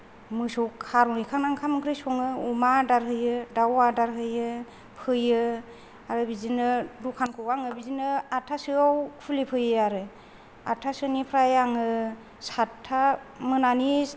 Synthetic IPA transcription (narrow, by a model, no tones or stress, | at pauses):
mɯsɔwkʰaɾunikʰaŋnaŋkʰamɡɾɯsɔŋɯumadaɾɦɯjɯdawadaɾɦɯjɯ | pʰɯjɯ | aɾɯbizinɯdukʰankʰɔwaŋɯbizinɯatʰasɯawpʰulipʰɯjɯaɾɯ | atʰasɯnipʰɾajaŋɯ | satʰːa | mɯnani